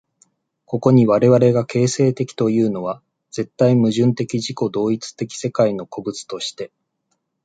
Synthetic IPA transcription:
ko̞ko̞ɲ̟iβaɾe̞βaɾe̞ɡakʰe̞ːse̞ːt̪e̞kʲi̥t̪o̞jɯ̟ːno̞βa | d͡ze̞t̪ːaimɯ̟ʑɨ̃nt̪e̞kʲiʑiko̞d̪o̞ːit͡sɨ̥t̪e̞kʲi̥se̞kaino̞ko̞bɯ̟t͡sɨ̥t̪o̞ɕi̥t̪e̞

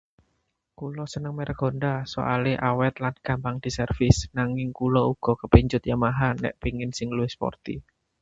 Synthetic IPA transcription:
kulɔsənəŋmɛɾɡ̥o̤nɖaso̰ʔaleʔawɛt̪̚lanɡ̥ä̤mpaŋd̪̥i̤sərfɪsnaŋɪŋkulɔuɡ̥ɔ̤kəpiɲd͡ʒʊt̪̚jamaɦanɛ̰ʔpiŋɪnsɪŋluɪhspɔ̰rt̪ḭ

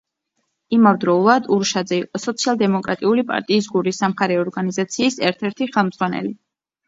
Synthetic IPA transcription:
imavd̪ɾɔulˠad̪uɾʃad̪zɛiqʼɔsɔt̪sʰialˠd̪ɛmɔkʼɾa̰t̪ʼiulipʼa̰ɾt̪ʼiːs̬ɡuɾisːamχaɾɛɔɾɡanizat̪sʰiːsɛɾt̪ʰɛɾt̪ʰiχɛlˠmd̪z̥ʁwanɛ̰li

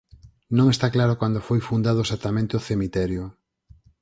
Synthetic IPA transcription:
nõŋest̪aklaɾokwand̪ofojfund̪að̞oesat̪amẽnt̪eoθemit̪ɛɾjʊ

